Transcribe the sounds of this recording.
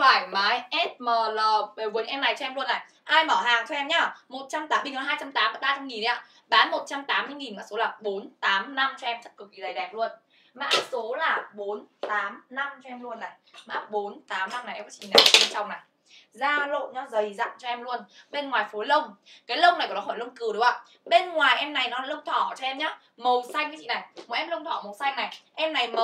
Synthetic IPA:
faː˧˩jmaː˨˦jʔɛ˦˥t̚məː˨˩ləː˨˩ɓe˨˩vu˨˦əŋʔɛ˧mna˨˩jt͡ɕɔ˧ɛ˧mlu˧ənːaː˨˩j | ʔaː˧jmɔː˧˩ɦaː˨˩ŋt̪ʰu˧ɛ˧mɲaː˧˩mo˨˩t̚t͡ɕa˧mt̪aː˨˦ɓi˧˩ŋnɔ˨˦ɦaː˧jt͡ɕa˧mt̪aː˨˦mː˨˧˦ɓaː˧t͡ɕa˧mŋi˨˩n˨˦a̰ː˧˨ | ɓaː˨˦nmo˨˩t̚t͡ɕa˧mt̪aː˨˦mːɨ˧˨ŋi˨˩nmaː˧˩so˨˦laː˨˩ɓo˨˦nt̪aː˨˦mna˧mt͡ɕɔ˧ɛ˧mt̪ʰi˦˥kɨ˨˩k̚ːi˨ə˨˩jɗɛ˨˩p̚lu˧ən | ma̰ː˧˥so˨˦laː˨˩ɓo˨˦nt̪aː˨˦mna˧mt͡ɕɔ˧ɛ˧mlu˧ənːa˨˩jma̰ː˧˥ɓo˨˦nt̪aː˨˦mna˧mna˨˩ʔɛ˧kɔ˨˦t͡ɕḭ˧˨n˨a̰˨˩˨ɓe˧t͡ɕa˧wŋ͡mna˨˩j | zaː˧lo̰˧˨nɲɔ˨˦zə˨˩jza̰ː˧˨mt͡ɕɔ˧ɛ˧mlu˧ənɓe˧nŋwaː˨˩jfo˨˦jlə˧wŋ͡mkaː˨˦jlə˧wŋ͡mna˨˩jkɔ˨˩nɔ˨˦ɔː˧˩lə˧wŋ͡mkɨ˨˩˨ɨ˨˦wa˧˩ | ɓe˧nŋwaː˨˩jʔɛ˧mna˨˩jnɔ˨˦aː˧˥lə˧wŋ͡mt̪ʰɔ˧˩t͡ɕɔ˧ʔɛ˧mɲaː˨˦ | mə˨˩wsa˧jŋkaː˨˦t͡ɕḭ˧˨na˨˩jmo˨˩ʔɛ˧mlə˧wŋ͡mt̪ʰɔ˧˩mə˨˩wsa˧jŋna˨˩jʔɛ˧mna˨˩jmə˨

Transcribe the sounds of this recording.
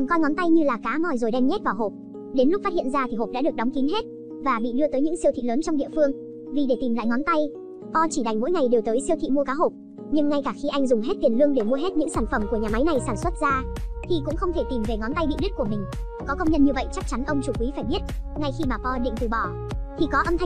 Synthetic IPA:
kɔ˧jŋɔ˨˦nt̪a˧jɲɨ˧laː˨˩kaː˨˦mɔ˨˩jzo˨˩jɗɛ˧mɲɛ˦˥t̚vaː˨˩ɦo˨˩p̚ | ɗe˨˦nlʊ˦˥k͡p̚faː˦˥hḭ˧˨nzaː˧t̪ʰi˨˩ɦo˨˩p̚ɗa̰ː˧˥ɗək̚ɗɔ˨˦wŋ͡mki˨˦nɦe˦˥t̚ | vaː˨˩ɓḭ˧˨ɗɨ˧ət̪əː˨˦jɲɨ̰˧˥ŋsi˧əwt̪ʰḭ˧˨ləː˨˦nt͡ɕɔ˧wŋ͡mɗḭ˧˨fɨ˧əŋ | vi˨˩ɗe˧˩t̪i˨˩mla̰ː˧˨jŋɔ˨˦nt̪a˧j | pɔ˧t͡ɕi˧˩ɗa˨˩jŋ̟mo̰˧˥jŋa˨˩jɗe˨˩wt̪əː˨˦jsi˧ət̪ʰḭ˧˨mu˧əkaː˨˦ɦo˨˩p̚ | ɲɨ˧ŋːa˧jkaː˧˩xi˧ʔa˧jŋ̟zʊ˨˩ŋ͡mɦe˦˥t̚t̪i˨˩ənlɨ˧əŋɗe˧˩mu˧əɦe˦˥t̚ɲɨ̰˧˥ŋsaː˧˩nfə˧˩mku˧˩əɲaː˨˩ma˨˦jna˨˩jsaː˧˩nswə˦˥t̚zaː˧t̪ʰi˨˩kʊ̰˧˥ŋ͡mxə˧wŋ͡mt̪ʰe˧˩t̪i˨˩mve˨˩ŋɔ˨˦nt̪a˧jɓḭ˧˨ɗi˦˥t̚ku˧˩mï˨˩ŋ̟ | kɔ˨˦kə˧wŋ͡mɲə˧nɲɨ˧və̰˧˨jt͡ɕa˦˥k̚t͡ɕa˨˦nʔə˧wŋ͡mt͡ɕu˧˩kwi˨˦faː˧˩jɓi˦˥ət̚ŋa˧jxi˧maː˨˩pɔ˧ɗḭ˧˨ŋt̪ɨ˨˩ɓɔ˧˩ | t̪ʰi˨˩kɔ˨˦ʔə˧mt̪ʰa˧

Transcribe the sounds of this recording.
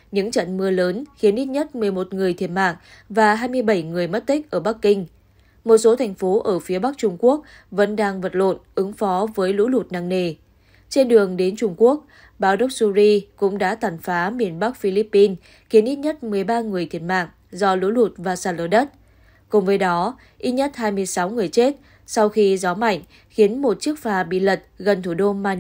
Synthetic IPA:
ɲɨ̰˧˥ŋt͡ɕə̰˧˨nmɨ˧ələː˨˦nxi˨˦ənʔi˦˥t̚ɲə˦˥t̚mɨ˨˩əjmo˨˩t̚ŋɨ˨˩əjt̪ʰi˧˩ət̚ma̰ː˧˨ŋ | vaː˨˩ɦaː˧jmɨ˧əjɓə˧˩jŋɨ˨˩əjmə˦˥t̚t̪ï˦˥k̟̚ʔəː˧˩ɓa˦˥k̚kːï˧ŋ̟ | mo˨˩t̚so˨˦t̪ʰɛ˨˩jŋ̟fo˨˦ʔəː˧˩fi˨˦əɓa˦˥k̚t͡ɕʊ˧ŋ͡mku˦˥ək̚ | və̰˧˥nɗaː˧ŋvə˨˩t̚lo̰˧˨nʔɨ˨˦ŋfɔ˨˦vəː˨˦jlṵ˧˥lu˨˩t̚na̰ː˧˨ŋne˨˩ | t͡ɕe˧nɗɨ˨˩əŋɗe˨˦nt͡ɕʊ˧ŋ͡mku˦˥ək̚ | ɓaː˨˦wɗə˦˥wk͡p̚su˧zi˧kʊ̰˧˥ŋ͡mɗa̰ː˧˥t̪aː˨˩nfaː˨˦mi˨˩ənɓa˦˥k̚fi˧li˦˥pːi˧n | xi˨˦ənʔi˦˥t̚ɲə˦˥t̚mɨ˨˩əjɓaː˧ŋɨ˨˩əjt̪ʰi˧˩ənma̰ː˧˨ŋ | zɔ˧lṵ˧˥lu˨˩t̚vaː˨˩saː˧˩lo˧˩ɗə˦˥t̚ | kʊ˨˩ŋ͡mvəː˨˦jɗɔ˨˦ | ʔi˦˥t̚ɲə˦˥t̚ɦaː˧jmɨ˧əjsa˨˦wŋɨ˨˩əjt͡ɕe˦˥t̚ | sa˧wxi˧zɔ˨˦ma̰˧˨jŋ̟ | xi˨˦ənmo˨˩t̚t͡ɕɨ˦˥ək̚faː˨˩ɓḭ˧˨lə˨˩t̚ɣə˨˩nt̪ʰu˧˩ɗo˧maː˧

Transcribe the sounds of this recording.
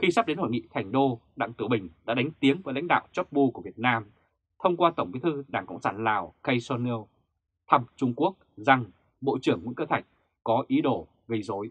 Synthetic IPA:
xi˧sa˦˥p̚ɗe˨˦nho˧˩jŋḭ˧˨t̪ʰa˨˩jŋ̟ɗo˧ɗa̰˧˨ŋt̪ɨ˧˩wɓï˨˩ŋ̟ɗa̰ː˧˥ɗa˨˦jŋ̟t̪i˨˦əŋvəː˨˦jla̰˧˥jŋ̟ɗa̰ː˧˨wt͡ɕɔ˦˥p̚ɓu˧ku˧˩vi˨˩ət̚naː˧m | t̪ʰə˧wŋ͡mkwaː˧t̪ə˧˩ŋ͡mɓi˨˦t̪ʰɨ˧ɗaː˧˩ŋkə̰˧˨ŋ͡msaː˧˩nlaː˨˩wkə˧jsɔ˧ni˧w | t̪ʰə˧m̚t͡ɕʊ˧ŋ͡mku˦˥ək̚za˧˩ŋ | ɓo̰˧˨t͡ɕɨ˨˩əŋːḭ˧˥ŋkəː˧t̪ʰa˨˩jk̟̚ | kɔ˨˦ʔi˨˦ɗo˧˩ | ɣi˧˩zo˨˦j

